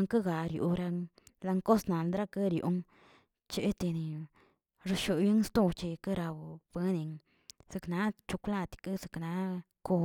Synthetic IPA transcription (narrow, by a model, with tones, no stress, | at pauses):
ŋka˦ɡa˨ɾjṵ˨˧ɾa˧ŋ | la˧ŋko˦sna˨nd̪ɾa˦ka˦ɾjo̰˨˧ŋ | t͡ʃe˧˦t̪i˧ni˨ | ɾa˧ʃo˧˨bji˦ŋ˦st̪u˦˧t͡ʃi˧ka˦ɾa˧wbe˦ni˨˧ŋ | z̥e˧kna˧˦t͡ʃu˧kʷla˧t̪ka˦ze˨kna˧˦ | ko˧